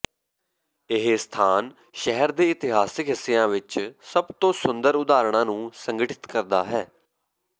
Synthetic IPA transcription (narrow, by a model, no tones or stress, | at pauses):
ɪɦest̪ʰaːn | ʃɛɦəɾd̪eːɪt̪ɪɦaːsɪkɦɪsːeːjãːʋɪt͡ʃsəbt̪õːsʊnd̪əɾʊd̪aːɾɳ̃ãːnũːsəŋɡəʈʰɪ̥t̪kəɾd̪aːɦɛː